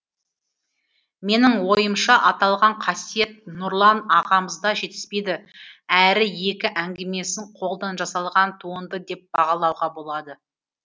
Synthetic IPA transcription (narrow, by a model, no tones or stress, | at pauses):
me̞nɪŋwo̞jəmʃɑʔɑt̪ɑlˠʁɑɴqʰɑsije̞t̪̚nʊɾlˠɑnɑqɑməzd̪ɑʒe̞t̪ɪ̥spe̞jd̪ɪæɾɪje̞kʲɪʔæŋɡʲeme̞sɪɴqʰo̞lˠd̪ɑnʒɑsɑlˠʁɑnt̪ʰuənd̪əd̪e̞p̚b̥ɑʁɑlˠɑwʁɑbo̞lˠɑd̪ə